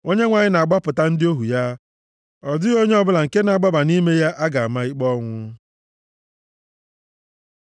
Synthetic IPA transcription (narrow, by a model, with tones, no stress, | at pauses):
o˦ɲe˦ŋʷa˨ɲɪ˦na˨a˨ɡ͡ba˦pʊ˨ta˦n̩˦dɪ˦o˦ɦu˨ja˦ | ɔ˨dʊ˦ɣo˦ɲe˦ɔ˦˨bʊ˦la˨ŋ̩˨ke˦na˨a˨ɡ͡ba˦ba˨ni˦me˦ja˦ʔa˦ɡa˨a˨ma˦i˦k͡pɔ˦ŋʷʊ˦